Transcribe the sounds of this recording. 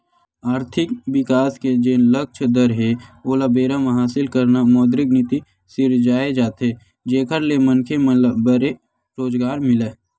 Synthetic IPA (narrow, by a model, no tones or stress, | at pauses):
aːɾt̪ʰɪkwɪkaːsked͡ʒeːnlək̚t͡ʃʰd̪əɾɦeoːlabeːɾamãɦaːsɪlkəɾnamɔːd̪ɾɪknɪt̪i | sɪɾd͡ʒaːed͡ʒaːt̪ɦe | d͡ʒeːkʰəɾlemənkʰemlbəɾe | ɾoːd͡ʒɡaːɾmɪleː